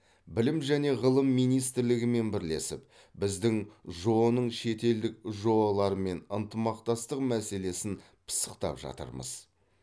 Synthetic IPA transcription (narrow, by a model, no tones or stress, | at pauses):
bɪlɪmʒæne̞ʁəlˠəmːijnijst̪ɪɾlɪɡʲɪme̞nbɪɾle̞sɪp̚ | bɪzd̪ɪŋʒo̞nəɴʃe̞t̪e̞ld̪ɪk̚ʒo̞ɑlˠɑɾəme̞nənt̪əmɑqt̪ɑst̪əqmæse̞le̞sɪn | pʰə̥sə̥qt̪ɑ̰pʒɑ̰t̪ə̰ɾmə̰z̥